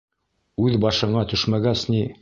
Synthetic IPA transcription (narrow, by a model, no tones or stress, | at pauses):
ʉðbɑʃɤ̆ɴɑt̪ɵ̆ʃmæɡæsni